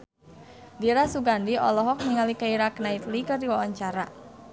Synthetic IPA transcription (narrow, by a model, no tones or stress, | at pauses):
diɾasuɡandiɔ̰lɔɦɔk̚niŋalikaiɾaknait̪likərdiwawaɲt͡ʃaɾa